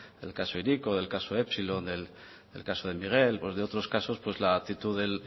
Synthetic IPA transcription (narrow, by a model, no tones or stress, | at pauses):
d̪e̞̰lkaso̞iɾiko̞ðe̞lkasoepsilond̪el | d̪elkasoð̞e̞miɣ̞elpwe̞zðeo̞t̪ɾo̞skaso̞spwe̞zlaːt̪it̪uðe̞l